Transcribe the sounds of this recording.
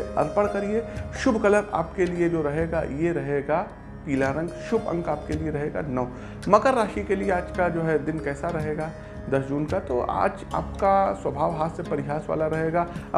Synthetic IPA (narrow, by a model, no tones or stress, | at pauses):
ɐ̰ɾpəɽ̃kɐɾieʃʊbʱkɐləɾa̰ːpkelied͡ʒoːɾɐɦeːɡa̰jeɾɐɦeːɡa | piːlaːɾə̃ŋɡʃʊbʱɐ̰̃ŋɡaːp̚kelieɾɐɦeːɡa̰nɐo | mɐkəɾːaːʃikelieaːd͡ʒkad͡ʒoːɦɛd̪ɪnkɛːsaɾɐɦeːɡaː | d̪ɐsd͡ʒuːnkat̪o̰ʔa̰ːd͡ʒa̰ːp̚kaswɐbʱaːʋɦaːt̪sepɐɾɪɦaːsʋa̰ːlaɾɐɦeːɡaː